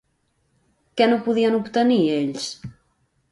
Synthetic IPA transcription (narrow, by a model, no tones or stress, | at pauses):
kɛnũpuðiɐnuβt̪ənieʎs